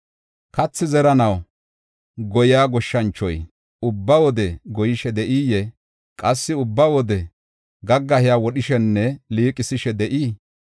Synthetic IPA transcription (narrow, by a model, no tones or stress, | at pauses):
kɐt͡sːɪzɛɾɐnɐw | ɡɔjaːɡɔʃːɐnt͡ʃːɔ̰j | ʊbːɐwɔd̪ɛɡɔjɪʃɛd̪ɛʔiːjɛ | kʼɐsːɪʊbːɐwɔd̪ɛ | ɡɐɡːɐhɪjaːwɔɗɪʃɛnːɛliːkʼɪsɪʃɛd̪ɛʔiː